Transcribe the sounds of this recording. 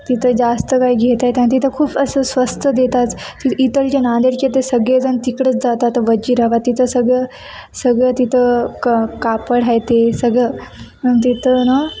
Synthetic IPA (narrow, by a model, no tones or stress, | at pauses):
t̪it̪ʰəd͡zast̪əkaiɡʱet̪ajt̪ãñt̪it̪ʰəkʰuːpəsəsʋəst̪ʰəd̪et̪at̪ːiit̪əlt͡ɕanãnd̪eɾket̪̬esəɡɭed͡zənt̪ikɽət͡sd͡zat̪at̪ʋəd͡ʑiːɾaʋat̪ːit̪ʰəsəɡɭə | səɡɭət̪it̪ʰə | kapəɽɦajt̪esəɡɭəmət̪̬it̪ʰəna